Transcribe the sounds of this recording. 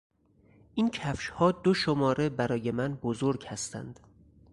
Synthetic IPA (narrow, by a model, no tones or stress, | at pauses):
ʔincʰæfʃhɒːd̪oʃomɒːɾebæɾɒːje̞mænbozoɾɡhæst̪ʰæ̰nd̪̥